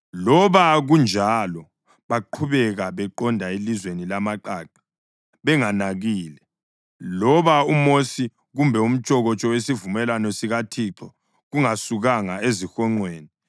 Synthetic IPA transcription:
lɔβaɣund͡ʒʱalɔ | βaǃʰuβɛɣaβɛǃɔndʱaelizwenilamaǃaːǃḁ | βɛŋanaɣiːlɛ | lɔβaumosi | ɣumbʱɛum̩t͡ʃʼɔɣɔt͡ʃʼɔwesivumɛlanɔsiɣatʰiǁɔ | ɣuŋasuɣaŋaezixɔŋ͡ǀweːni

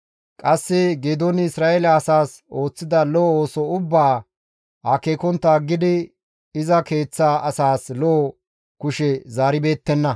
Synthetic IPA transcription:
kʼɐsːɪɡeːd̪onɪɪsɾaːelɐːsaːs | o̞ːt͡sːɪd̪ɐloːoːsɔʊbːaː | hɐkeːkɔnt̪ːaːɡɪd̪ɪ | ɪzɐke̞ːt͡sːaːɐsaːslo | kʊʃɛzaːɾɪbe̞ːt̪ːɛnːɐ

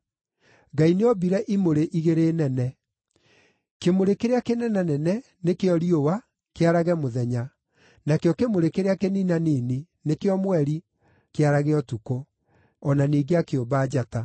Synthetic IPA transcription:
ɡaineɔbiɾɛʔimoɾeʔiɣeɾeːnɛnɛ | kemoɾekeɾeakenɛnanɛnɛ | nekeɔɾiowa | keaɾaɣɛmoðɛɲa | nakeɔkemoɾekeɾeakeninanini | nekeɔmwɛɾi | keaɾaɣeɔtuko | ɔnaniːɡeakeobaːd͡ʑata

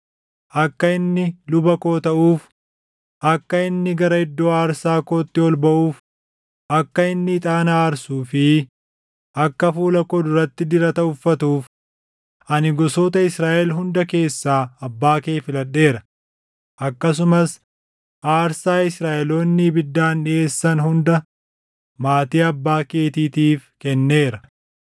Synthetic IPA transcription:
ʔɐkːɐɪnːɪlʊbɐko̞ːt̪ɐʔuːf | ʔɐkːɐɪnːɪɡɐɾɐɪd̪ːoːaːɾsaːkoːt̪ːɪɔlbɐʔuːf | ʔɐkːɐɪnːɪːt̪ʼaːnaːɾsuːfɪ | ʔɐkːɐfuːlɐkɔd̪ʊɾɐt̪ːɪd̪ɪɾɐt̪ɐʊfːɐt̪uːf | ʔɐnɪɡɔsoːt̪ɐɪsɾaːʔɛlɦʊnd̪ɐke̞ːsːaːɐbːaːkeːfɪlɐɗːe̞ːɾɐ | ʔɐkːɐs̬ʊmɐs | ʔaːɾsaːɪsɾaːʔɛloːnːɪbɪd̪ːaːnᶑɪe̞ːsːɐnhʊnd̪ɐ | maːt̪iːɐbːaːke̞ːt̪iːt̪iːfkɛnːe̞ːɾɐ

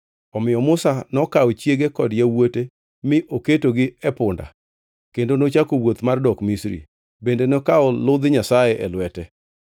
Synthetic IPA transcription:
ɔmɪjɔmʊsanɔkaot͡ʃjeɡekɔdjawote | mɪʔoketoɡɪɛpʊnda̰ | kendonot͡ʃakowot̪mardɔkmisɾḭ | bendenokaɔlʊd̪ɪɲasajeʔɛlwɛtɛ

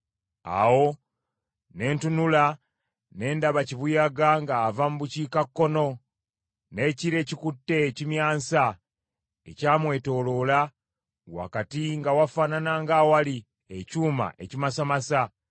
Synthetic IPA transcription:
a̰wo̞ | ne̞ːntunula | ne̞ːndaβaciβujaɡaŋɡaːvamuβuciːkakːo̞no̞ | ne̞ːciɾe̞ːcikutːe̞ːcimjaːnsa | ḛcaːmwe̞ːto̞lo̞la | wa̰katiŋɡawafaːnanaŋɡawali | ecuːma̰ʔḛcimasamasa

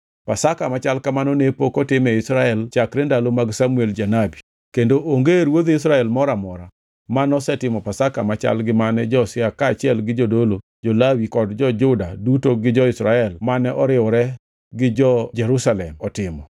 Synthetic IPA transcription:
pasakamat͡ʃalkamanɔnepokɔtɪmɛɪsɾaɛlt͡ʃakɾɛndalomaɡsamueld͡ʒanabi | kendoʔoŋɡeɾwod̪ɪs̬ɾaɛlmɔɾamɔɾa | manɔsɛtɪmɔpasakamat͡ʃa̰lɡɪmanɛd͡ʒɔsɪakaːt͡ʃɪɛlɡɪd͡ʒodolo | d͡ʒolawikɔdd͡ʒɔd͡ʒʊdadutoɡɪd͡ʒɔɪsɾaɛlmanɛʔɔɾɪɔɾɛ | ɡɪd͡ʒɔd͡ʒɛɾusalɛmɔtɪmɔ

